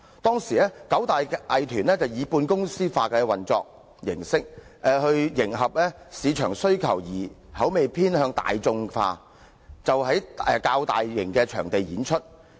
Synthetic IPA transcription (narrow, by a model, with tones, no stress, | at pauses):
t̪ɔː˥ŋsiː˨˩lɛː˥kɐ˨˥wt̪aː˨jʔɐ˨jt̪ʰyː˨˩nɛː˥t͡sɐ˨wjiː˨˧puː˧nkʊ˥ŋsiː˥faː˧kɛː˧wɐ˨nt͡sɔ̰ː˧k̚ | jɪ˨˩ŋsɪ˥k̚ | ʔɛ˧hɵ˧ɥjɪ˨˩ŋɦɐ˨p̚lɛː˥siː˨˧t͡ʃʰœː˨˩ŋsɵ˥ɥkʰɐ̰˨˩wjiː˨˩hɐ˨˥wme˨jpʰiː˥nhœː˧ŋt̪a̰ː˨jt͡sʊ˧ŋfa̰ː˧ | t͡sɐ˨wɦɐ˨˥jɛ˨kaː˧wt̪a̰ː˨jːɪ˨˩ŋkɛː˧t͡ʃʰœː˨˩ŋt̪e˨jjiː˨˥nt͡ʃʰɵ˥t̚